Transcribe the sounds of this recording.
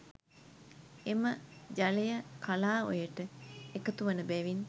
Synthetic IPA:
eməd͡ʒalejəkʰalaːo̰jəʈəekət̪uʋənəbɛʋin

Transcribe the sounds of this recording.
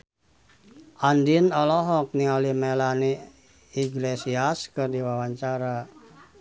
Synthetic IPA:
ʔandinɔlɔɦɔk̚niɔlimelani | iɡlesiaskɨrdiwawaɲt͡ʃaɾa

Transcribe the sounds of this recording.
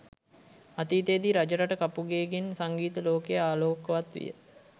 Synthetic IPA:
at̪iːt̪eːd̪iɾad͡ʒəɾaʈəkapuɡeːɡensaŋɡiːt̪əloːkejəaːloːkəʋat̪ʋḭjə̰

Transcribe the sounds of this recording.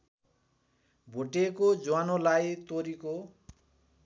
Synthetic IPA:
bʱoʈekod͡zowanolajt̪oɾiko

